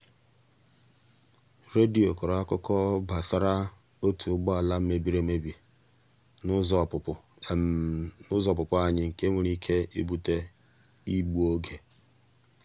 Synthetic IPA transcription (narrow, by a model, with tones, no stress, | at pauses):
ɾe˦di˨o˨ko˨ɾa˦kʊ˦kɔ˦ba˨sa˦ɾa˦ | o˦tu˨˦ɡ͡bɔ˦a˨la˦m̩˦me˦bi˦ɾe˨me˦bi˨ | n˦zɔ˨pʊ˨pʊ˨ | nʊ˦zɔ˦˨p̬ʊ˨pʊ˦a˦ɲɪ˦ŋ̩˨ke˦mu˨ɾi˦kʰe˦i˦bu˦te˦ | i˦ɡ͡bu˦o˦ɡe˨